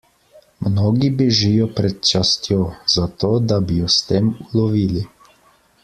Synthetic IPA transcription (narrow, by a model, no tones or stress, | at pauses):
mnoːɡibiʒijɔpɾɛt̪̚t͡ʃast̪joːz̥at̪oːd̪abijɔst̪eːmulɔʋiːli